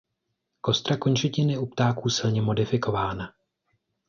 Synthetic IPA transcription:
ko̞st̪ɾakoɲt͡ʃɛcɪnɪupt̪aːkuːsɪlɲɛmo̞dɪfɪko̞vaːna

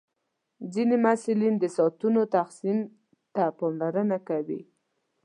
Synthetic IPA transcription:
d͡zinemasulind̪əsɑt̪unot̪axsim | t̪apɑmlaɾənakawḭ

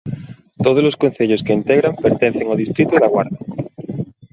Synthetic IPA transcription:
t̪oð̞oloskon̟θeʎoskeːnt̪eɣɾampeɾt̪en̟θeŋoð̞ist̪ɾit̪oðaɣwa̰ɾða

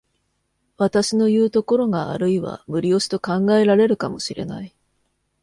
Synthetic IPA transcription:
βat̪aɕino̞jɯ̟ːt̪o̞ko̞ɾo̞ɡa̰ːɾɯ̟iβa̰mɯ̟ɾʲio̞ɕi̥t̪o̞kãŋɡae̞ɾaɾe̞ɾɯ̟kamo̞ɕiɾe̞̰na̰i

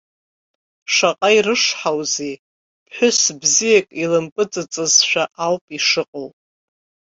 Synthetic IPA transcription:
ʂaqʼairɨʂħawze | pʰħʷʊsbzijakʼilɨmpʼɨt͡sʼɨt͡sʼɨzʃʷᶣaʔalpʼiʂɨqʼəlʼ

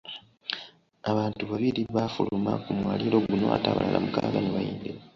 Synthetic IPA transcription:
aβaːntuβaβiɾiβafulumakumwaːlilo̞ɡuno̞̰ʔataβa̰la̰la̰mukaːɡaneβajiːnde

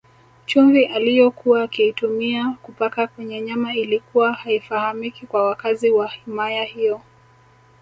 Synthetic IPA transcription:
t͡ʃumviʔalijɔkuwaːkiitumiakupakakwɛɲɛɲamailikuwahaifahamikikwawakaziwahimajahijɔ

